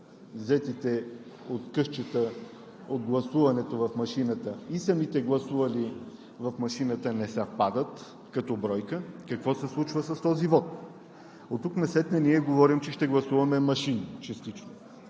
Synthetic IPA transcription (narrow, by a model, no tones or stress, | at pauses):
zɛt̪it̪ɛ | ot̪kɤʃt͡ʃət̪ə | od̪ɡlˠɐsuvɐnɛt̪ovɐfmɐʃinət̪əisɐmit̪ɛɡlˠɐsuvɐli | vɐfmɐʃinət̪ənɛsɛfpad̪ət̪ | kɐt̪ɔbɾɔjkəkɐkvɔsɛslˠut͡ʃvəsɐst̪ɔzivɔt̪̚ | ot̪ːuknɐsɛt̪nɛniɛɡovɔɾimt͡ʃɛʃt̪ɛɡlˠɐsuvɐmɛmɐʃint͡ʃɐst̪it͡ʃno